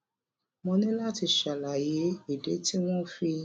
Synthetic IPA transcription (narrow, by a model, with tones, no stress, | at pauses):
mɔ̃˧nĩ˦la˦ti˧ʃa˨la˨je˨˦i˨de˨˦ti˦w̃ɔ̃˦fi˧